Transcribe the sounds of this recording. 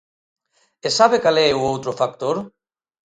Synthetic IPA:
esaβekalɛuowt̪ɾofak̚t̪oɾ

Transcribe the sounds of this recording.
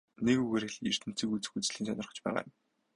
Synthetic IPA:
nekuɣeɾĕɮer̥t̪ʰɘ̆n̥t͡siːkut͡sɘ̆xut͡sɮiːnsœnʲɪ̆rχə̆t͡ɕpæːʁa̰ːjʊ̆m

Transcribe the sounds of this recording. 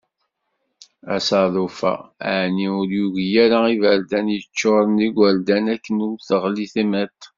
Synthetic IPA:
æsɑðˤofæ̰aʕniʊɾjuʝjæɾaivəɾd̪ænjət͡ʃːoɾˤəniɡʷəɾd̪ænækːənuθəʁliθimæt̪

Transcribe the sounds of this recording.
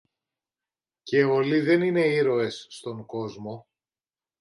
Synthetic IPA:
ce̞oliðe̞nine̞iɾo̞e̞sːt̪o̞ŋko̞zmo̞

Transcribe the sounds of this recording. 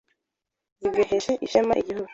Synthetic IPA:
zibɡoheʃeʔiʃemaʔiɟihuɡu

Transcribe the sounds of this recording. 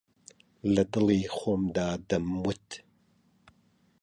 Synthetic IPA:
lɐd̪ɨlˠiːχʷomd̪aːd̪ɐmːʊt̪ʰ

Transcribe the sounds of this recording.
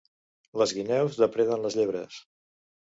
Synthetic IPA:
ləzɣinɛwzðəpɾeðənləzʎeβɾəs

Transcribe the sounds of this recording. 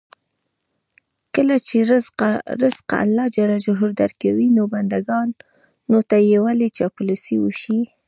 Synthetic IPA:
kəlat͡ʃeɾɾɪzqa̰a̰lːɑd͡ʒaɽaʒʊɦuɾd̪aɾkawinoband̪aɡɑnː | ot̪ajewalet͡ʃɑpulusiwuʃi

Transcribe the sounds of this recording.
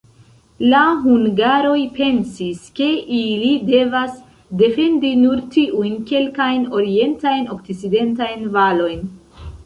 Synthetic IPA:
laɦuŋɡaɾo̞jpe̞nsiske̞ʔilide̞vas | de̞fe̞ndinuɾtiʔujnke̞lkajno̞ɾie̞ntajno̞k̚t͡sit͡side̞ntajnvalo̞jn

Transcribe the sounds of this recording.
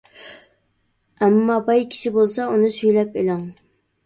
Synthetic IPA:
æmːɑbɑjkʲʰi̥ʃibolˠsɑunɨsyjlɛpelɑŋ

